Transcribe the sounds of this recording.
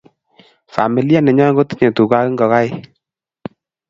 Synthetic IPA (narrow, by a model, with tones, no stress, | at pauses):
fa̰˨mi˨li˦a˦nɛ˨ɲɔ˦ɡo˦ti̥˦ɲe˨tu˨ka˦kɪ˦ŋɡɔ˨ka˦ɪ˦